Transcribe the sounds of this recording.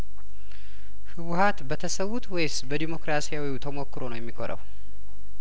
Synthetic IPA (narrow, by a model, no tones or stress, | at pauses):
hɨwʊhat̪bət̪ʰəsəwːut̪wejsbəd̪imo̞kɾasijawiut̪ʰəmo̞kːɨɾonəwjɛmːikʰo̰ɾə̰w